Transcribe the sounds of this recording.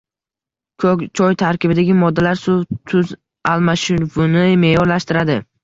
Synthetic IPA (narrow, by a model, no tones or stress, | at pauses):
kʰɵkʲt͡ʃʰɒjt̪ʰaɾkʲɪbɪd̪aɡʲɪmɒd̪ːalaɾsʊt̪ʰʊz | almaʃɪɾvʊnɪme̞jɒɾlaʃt̪ɪɾad̪ɪ